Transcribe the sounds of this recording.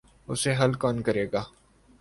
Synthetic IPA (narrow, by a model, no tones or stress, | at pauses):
ʊseɦɐlkɔːnkɐɾeːɡaː